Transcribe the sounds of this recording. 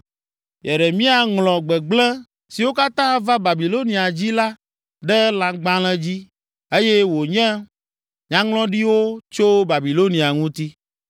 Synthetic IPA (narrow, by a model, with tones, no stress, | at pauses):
jɛ˨ɖɛ˨mĩ˦a˨ŋlɔ̃˨ɡ͡bɛ˨ɡ͡blɛ̃˦ | si˨wo˦ka˦t̪ã˦va˦ba˨bi˨lo˦nĩ˨a˨d͡ʑi˦la˦ | ɖɛ˦lã˨ɡ͡bã˦l̃ɛ̃˦d͡ʑi˦ | e˦jɛ˦wo˨ɲɛ̃˦ | ɲã˦ŋlɔ̃˦ɖi˦wo˦t͡ʃo˦ba˨bi˨lo˦nĩ˨a˨ŋũ˦t̪i˦